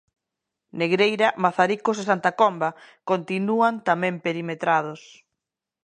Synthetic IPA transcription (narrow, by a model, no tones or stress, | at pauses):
neɣɾejɾɐmaθaɾikosesant̪akombakont̪inuant̪amɛ̃mpeɾimet̪ɾað̞ʊs